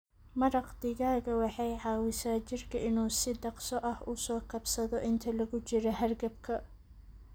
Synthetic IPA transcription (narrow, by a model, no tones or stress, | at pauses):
mɐɾɑqd̪ɪɣaːɣɐwɑħɑjʕɑːwɪsaːt͡ʃɪrkʰɐʔɪnuːsɪd̪ɑqsɔʔɐhʊsɔːkʰɐbsɐðɔʔɪnt̪ʰɐlɐɣʊt͡ʃɪɾɔɦɐrɡɐbkʰɐ